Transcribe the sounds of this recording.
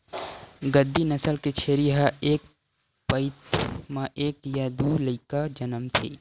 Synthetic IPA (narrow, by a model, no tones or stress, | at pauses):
ɡəd̪ːinəsəlket͡ʃʰeːɾiɦaeːk | pəɪt̪mãʔeːkjad̪uːləɪkad͡ʒənəmt̪ʰḭː